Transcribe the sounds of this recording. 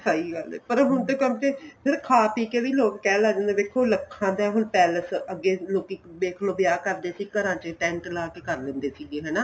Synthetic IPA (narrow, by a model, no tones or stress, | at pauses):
saːiːɡalɛ̰ːpəɾɦʊnt̪eːkə̃mt͡ʃeːpʰɪɾkʰaːpiːkeːʋiːloːkkɛːlaːd͡ʒãːnd̪eːb̪eːkʰːoːləkʰːãːd̪aɛːɦʊnpɛːləsəɡːeːloːkiːbeːkʰloːbɪjaːkəɾd̪eːsiːkəɾãːt͡ʃeʈɛ̃ɳʈlaːkeːkəɾlẽːnd̪eːsiːɡeːɦɛːnaː